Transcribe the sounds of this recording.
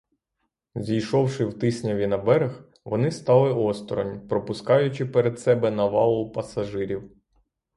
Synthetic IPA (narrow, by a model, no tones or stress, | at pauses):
zʲijʃɔwʃɪwt̪ɪsʲnʲɐʋʲinɐbɛɾex | ʋɔnɪst̪ɑlˠɪɔst̪ɾɔ̰nʲpɾɔpʊskɑjʊt͡ʃɪpeɾed̪sɛbɛnɐʋɑlˠʊpɐsɐʒɪɾʲiw